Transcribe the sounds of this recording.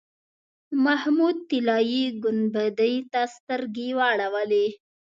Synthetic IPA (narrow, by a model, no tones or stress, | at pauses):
mahmud̪̚t̪ɪlɑjiɡʊnbəd̪əjt̪ast̪əɾɡewaɽawəle